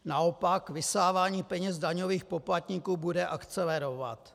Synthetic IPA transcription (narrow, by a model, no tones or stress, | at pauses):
naopakvɪsaːvaːɲiːpɛɲɛzdaɲo̞viːxpoplat̪ɲikuːbudɛʔakt͡sɛlɛɾo̞va̰t̪